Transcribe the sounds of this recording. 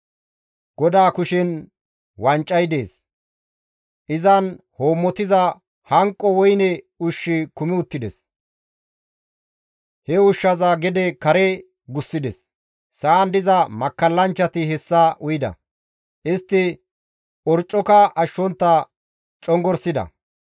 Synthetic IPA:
ɡ̥ɔd̪aːkʊʃɪn | wɐnt͡ʃʼːɐjd̪e̞̰ːs | ʔɪzɐnhoːmːɔt̪ɪzɐ | hɐŋkʼːɔwɔjnɛ | ʊʃːɪkʊmɪʊt̪ːɪd̪ɛ̰s | hɛʊʃːɐzaɡɛd̪ɛkɐɾɛ | ɡʊsːɪd̪ɛsː | ɐːnd̪ɪzɐmɐkːɐlːɐnt͡ʃːɐt̪ɪɦɛsːɐʔʊjɪd̪ɐ̰ | ʔɪst̪ːɪ | ɔɾt͡ʃʼːɔkɐʔɐʃːɔnt̪ːɐ | t͡ʃʼɔŋɡɔɾsɪd̪ɐ̰

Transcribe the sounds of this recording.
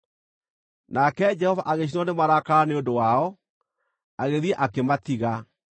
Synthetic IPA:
nakɛd͡ʒɛhɔvaʔaɣeɕ̬inɔnemaɾakaaneondowaɔ | aɣeðiɛʔakematiɣa

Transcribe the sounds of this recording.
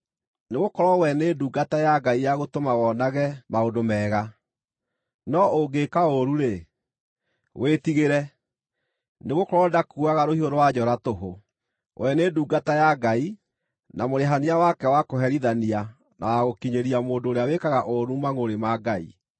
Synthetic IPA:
neɣokɔɾɔwɛneːduːɡatajaɡaijaɣotomawɔnaɣɛmaondomɛːɣa | nɔoɡekaoɾuɾe | wetiɣeɾɛ | neɣokɔɾɔdakuaɣaɾohioɾowad͡ʑɔɾatoɦo | wʔɛneːduːɡatajaɡai | namoɾeɦaniawakɛwakoɦɛɾiðania | nawaɣokiɲeɾiamoːndoːɾeawekaɣaʔoɾumaŋoɾemaɡaḭ

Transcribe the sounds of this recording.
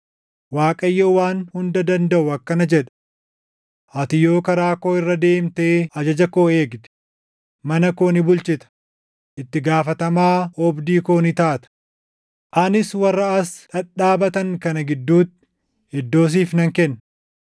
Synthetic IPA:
waːkʼɐjːoːwaːnhʊnd̪ɐd̪ɐnd̪ɐʔʊɐkːɐnɐd͡ʒɛᶑɐ̥ | ʔɐt̪ɪjo̞ːkɐɾaːkoːɪrːɐd̪e̞ːmt̪eːɐd͡ʒɐd͡ʒɐkoːe̞ːɡd̪ɛ̥ | mɐnɐkoːnɪbʊlt͡ʃɪt̪ɐ̥ | ʔɪt̪ːɪɡaːfɐt̪ɐmaːɔbd̪iːkoːnɪt̪aːt̪ɐ̥ | ʔɐnɪswɐrːɐɐsᶑɐᶑaːbɐt̪ɐŋkɐnɐɡɪd̪ːuːt̪ː | ɪd̪ːo̞ːs̬iːfnɐŋkɛnːɐ

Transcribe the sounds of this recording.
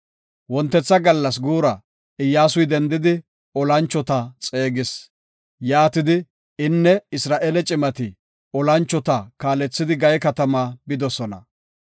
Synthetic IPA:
wɔnt̪ːɛt͡sːɐɡɐlːɐs̬ɡuːɾɐ | ɪjːaːsʊjd̪ɛnd̪ɪd̪ɪ | ɔlɐnt͡ʃːɔt̪ɐt͡sʼe̞ːɡɪs | jaːt̪ɪd̪ɪ | ɪnːɛɪsɾaːʔeːlɛt͡ʃʼɪmɐt̪ɪ | ɔlɐnt͡ʃːɔt̪ɐkaːlɛt͡sːɪd̪ɪɡɐjɛkɐt̪ɐmaːbɪd̪ɔsɔnɐ̰

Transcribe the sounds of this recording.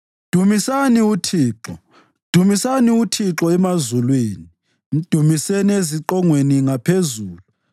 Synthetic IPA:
d̥ʱumisaniutʰiːǁɔ | d̥ʱumisaniutʰiǁɔɛmazulweːni | m̩d̥ʱumisenieziǁɔŋweniŋapʰezuːlu

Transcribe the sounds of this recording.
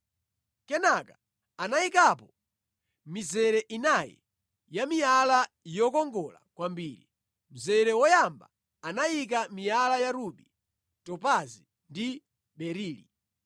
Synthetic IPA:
kɛnakḁ | anaikapɔ | mizɛɾɛʔinajɛ̰ | jamijala | jɔkɔŋɡɔla̰kwambiːɾi | m̩zɛɾɛwɔjamba̰ | anajik̬amijalajaɾuɓi | tɔpazi | ndi | ɓɛɾiːlḭ

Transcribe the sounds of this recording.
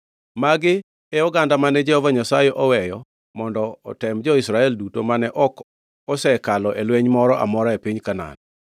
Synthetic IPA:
maɡɪ | ɛɔɡandamanɛd͡ʒɛhɔvaɲasajɛʔɔwɛjɔ | mɔndɔ̰ːtɛmd͡ʒɔisɾaɛldutomanɛʔɔk | ɔsɛkalɔʔelweɲmɔɾɔʔa̰mɔɾaepiɲkana̰n

